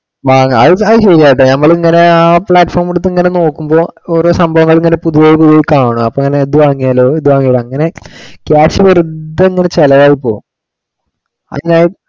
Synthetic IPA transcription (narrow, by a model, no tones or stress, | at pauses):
ʋaːŋːɐ̰ðɨɐðɨɕeɾiaːjiʈːɨnɐmːɐɭiŋːɐne̞aːpɭaːʈːfo̞ːrmuɽut̪ːɨiŋːɐne̞no̞ːkːumbo̞ːoːɾo̞ːsɐmbʱɐʋɐŋːɐɭiŋːɐnepuðujeːjipuðiʋejkaːɳuɐpːoeŋːɐneðuʋaːŋːijaːloːeðuʋaːŋːijaːloɐŋːɐne̞kjaːʈʂiʋɐrud̪ːɐiŋːɐne̞t͡ɕelɐʋaːjipːoːum | ɐ̰ðɐnaːji